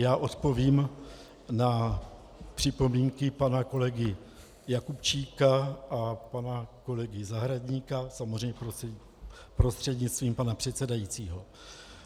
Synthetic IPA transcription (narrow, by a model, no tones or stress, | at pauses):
jaːʔo̞t̪po̞viːm | na | pr̝̥ɪpo̞miːŋkɪpanako̞lɛɡɪ | jakupt͡ʃiːkaʔapanako̞lɛɡɪzaɦɾadɲiːkasamozrɛjɲɛp | pɾo̞st̪r̥ɛd̪ɲɪt͡sst̪viːmpanapr̝̥ɛt̪t͡sɛdajit͡siːɦo̞